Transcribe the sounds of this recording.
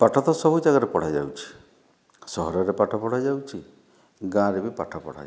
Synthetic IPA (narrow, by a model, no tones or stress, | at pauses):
paʈʰɔt̪ɔsɔbʱud͡ʒaɡaɾepɔɽ̤ajd͡ʒawt͡ʃʰi̥ | sɔɦɔɾɔɾepaʈʰɔpɔɽ̤ajd͡ʒawt͡ʃʰi | ɡãɾebipaʈʰɔpɔ̰ɽ̤a̰